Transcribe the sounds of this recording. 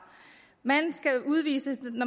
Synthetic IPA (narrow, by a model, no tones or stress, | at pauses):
mænsɡ̥æuðˠʋḭːsənɒ